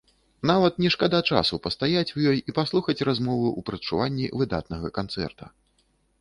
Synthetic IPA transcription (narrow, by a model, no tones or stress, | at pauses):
navɐt̪nʲɛʂkad̪at͡ʂa̰supɐst̪ajat͡sʲujɔjipaslˠuxɐt͡sʲrazmɔvɨʔupɾɐt͡ʂuvanʲːḭvɨd̪a̰t̪̚nɐɣɐkant̪sɛ̰rt̪ɐ